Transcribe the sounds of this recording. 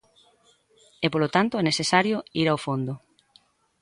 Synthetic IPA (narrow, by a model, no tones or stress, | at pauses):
ɛpolot̪ant̪oɛnesesaɾjoiɾawfond̪ʊ